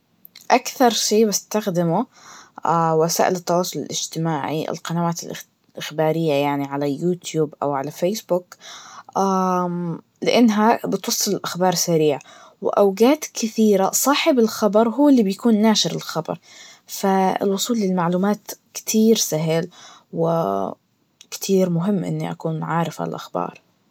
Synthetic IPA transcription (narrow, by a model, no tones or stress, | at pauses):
ʔakθɑɾˤʃeːbɪst̪axd̪ɪmʊʔawasa̰ːʔɪlɪt̪ːɑwɑːsˤʊlɪ̰lʔɪ̰d͡ʒt̪ɪmaːʕḭʔɪ̰lqɑnawaːt̪ɪlʔ | ʔɪxbaːɾɪjːajaʕniʕalajuːt̪juːbʔa̰wʕalafeːsbʊkʔa | lɪʔɪnːɦabɪt̪wɑsˤːɨlɪlʔaxbɑːɾˤsaɾiːʕ | wɪ̰ʔawɡaːt̪kʰɪθiːɾasˤɑːħɪbɪlxɑbɑɾˤɦuːɪlːibjakuːnːaːʃɪɾɪlxɑbɑ̰ɾˤ | faɪ̰lwʊsˤuːlːɪlmaʕluːmaːt̪kɪ̥t̪ʰiːɾsaɦɪl | wɪ | kt̪ʰiːɾmʊɦɪmːʔɪ̰nːiʔa̰kuːnʕaːɾɪfa̰lʔaxbɑ̰ːɾˤ